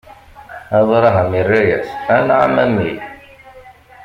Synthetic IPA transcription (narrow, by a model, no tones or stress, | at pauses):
æðˤɾˤɑɦæmirːajæ̰sænʕa̰mæmi